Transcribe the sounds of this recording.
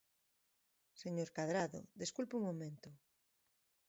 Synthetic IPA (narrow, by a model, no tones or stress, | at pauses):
seɲoɾkaðɾaðo̰ðeskulpuŋmomẽnt̪o